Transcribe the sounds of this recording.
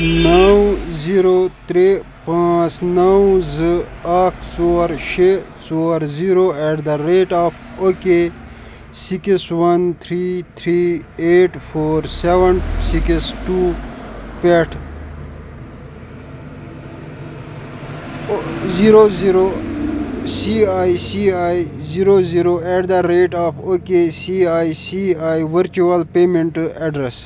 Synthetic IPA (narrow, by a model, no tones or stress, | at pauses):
nɐwziɾot̪ɾe | pãːt͡snɐwzɨakʰsoɾʃesoɾziɾoeʈd̪ɐɾeːʈaːfʰ | oke | sikiswɐnt̪ʰɾiːt̪ʰɾiːeːʈfʰoːɾseʋɐɳsikisʈuːpeʈʰ | ziɾoziɾo | siaːisiaːjziɾoziɾoɛʈd̪ɐɾeːʈaːfʰoːkesiaːisiaːiʋəɾt͡ʃuɐlpeːmẽɳʈɛɖɾes